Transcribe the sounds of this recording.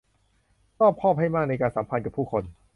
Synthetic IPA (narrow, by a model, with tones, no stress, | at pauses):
sɔː˥˩p̚kʰɔː˥˩p̚ha˥˩jmaː˥˩k̚na˧jkaː˧nsaː˩˦pʰa˧nka˨˩pʰuː˥˩kʰo˧n